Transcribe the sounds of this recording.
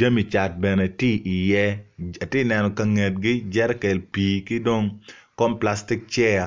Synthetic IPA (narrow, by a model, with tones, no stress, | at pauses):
a˦mi˨t͡ʃa˨t̚bɛ˨ne˨ti˦ʔi˨jɛ˦a˨tɪ˦nɛ˨nɔ˨kɐ˨ŋe˨t̚ɡɪ˦d͡ʒɛ˦ɾɛ˦ke˨lpi˨kɪ˦do˦ŋkɔ˦mpla˦stɪ˦k̚t͡ʃɛ˦a˨